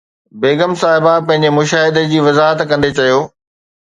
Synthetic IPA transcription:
beːɡəmsaːɦɪbapɐ̃ɦɪ̃ɲ̆d͡ʑemʊʃaːɦɪd̪əd͡ʑiːʋɐzaːɦət̪kɐ̃nd̪et͡ɕɐjoː

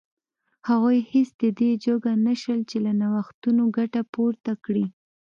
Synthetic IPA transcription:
haɣojhesd̪əd̪ed͡ʒoɡanaʃəlt͡ʃelanawaxt̪unoɡaʈapoɾt̪akɽi

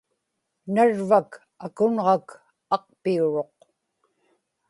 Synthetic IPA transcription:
naɻvak | akʊnʁɑk | ɑq̚piuɻo̞q

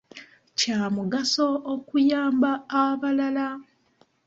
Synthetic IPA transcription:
caːmuɡaso̞ːkujaːmbaːβalala

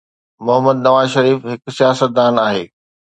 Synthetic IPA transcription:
mʊɦəmːəd̪nɐʋaːzʃɐɾiːfɦɪksijaːsət̪̚d̪aːnaːɦeː

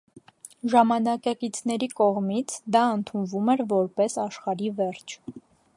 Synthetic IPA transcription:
ʒɑmɑnɑkɑkit͡sʰn̪ɛɾikɔʁmit͡sʰd̪ɑənt̪ʰunvumɛɾvɔɾpɛsɑʃχɑɾivɛɾt͡ʃʰ

